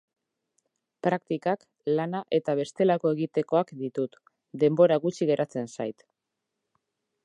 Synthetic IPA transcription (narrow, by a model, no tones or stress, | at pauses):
pɾak̚t̪ikak | lanaʔe̞t̪aβ̞e̞st̪e̞lako̞e̞ɣit̪e̞ko̞akd̪it̪ut̪ | d̪e̞mbo̞ɾaɣut͡ʃiɣ̞e̞ɾʔat͡se̞nsa̰jt̪